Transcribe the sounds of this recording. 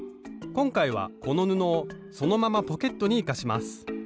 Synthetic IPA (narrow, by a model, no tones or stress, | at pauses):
kõ̞ŋkaiβa̰ko̞no̞nɯ̟noː | so̞no̞mamapo̞ke̞t̪ːo̞ɲ̟iːkaɕimasɨ̥